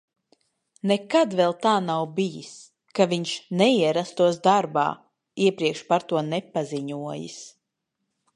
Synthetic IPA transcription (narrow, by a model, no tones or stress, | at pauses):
nɛkad̪vɛlˠt̪aːnawbijis | kaviɲʃnɛiɛɾast̪uɔsd̪aɾba̰ː | iɛpɾiɛkʃpaɾt̪uɔnɛpaziɲuɔjḭs